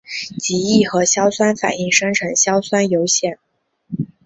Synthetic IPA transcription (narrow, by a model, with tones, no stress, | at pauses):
t͡ɕi˧˥i˥˩xɤ˧˥ɕjɑ˥ʊswa˥nfa̰˨˩ni˥˩ŋʂɤ˥ŋʈ͡ʂʰɤ˧˥ŋɕjɑ˥ʊswa˥njo˧˥ʊɕjɛ˥˩n